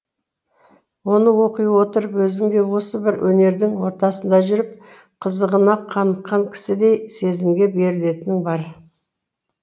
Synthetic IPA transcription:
wo̞nəwo̞qijwo̞t̪əɾəpwɵzɪŋd̪e̞wo̞səbɪɾwʔɵne̞ɾd̪ɪŋwo̞ɾt̪ɑsənd̪ɑʒʏɾɪp̚ | qʰəzəʁənɑqʰɑnəq̪qːɑŋkʲʰɪ̥sɪd̪e̞jse̞zɪmɡʲe̞be̞ɾɪle̞t̪ɪnɪŋbɑɾ

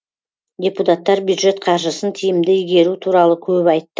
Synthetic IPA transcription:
d̪ʲeput̪at̪ːɑɾbjud̪ʒe̞t̪qʰɑɾʒəsənt̪ʰijɪmd̪ɪʏjɡʲe̞ɾut̪ʰuɾɑlˠəkʲʰɵpɑjt̪ːə

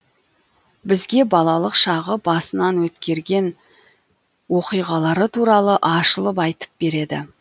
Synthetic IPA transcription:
bɪzɡʲe̞bɑlˠɑlˠəqʃɑʁəbɑsənɑnwɵt̪kʲe̞ɾɡʲe̞n | wo̞qijʁɑlˠɑɾət̪ʰuɾɑlˠəʔɑʃəlˠəpɑjt̪ə̥p̚b̥e̞ɾe̞d̪ɪ̰

